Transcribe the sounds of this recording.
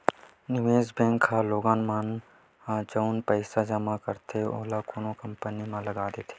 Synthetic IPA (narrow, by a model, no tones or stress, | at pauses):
nɪʋeːzbɛ̃ːŋkʰːaloːɡãːnmaːn | ad͡ʒoʊnpəɪsad͡ʒəmakɐɾt̪ʰeo̰ːɦlakoːnokɐ̃mpənimãlɐɡaːd̪eːt̪ʰe̥ː